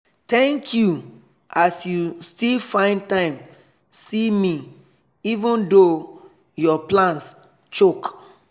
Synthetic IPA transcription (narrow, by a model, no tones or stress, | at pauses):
tɛ̃ŋkʰju | ʔasjustilfãɪ̃ntãɪ̃m | simi | ivũndo | jɔplãns | t͡ʃok